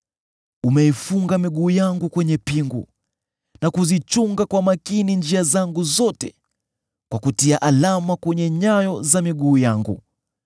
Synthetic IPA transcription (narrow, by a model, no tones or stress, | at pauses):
umɛifuŋɡamiɠuːjaŋɡukwɛɲɛpiŋɡṵ | nakuzit͡ʃuŋɡakwamakinind͡ʒiazaŋɡuzɔtɛ | kwakutiaʔalamakwɛɲɛɲajɔzamiɠuːjaŋɡṵ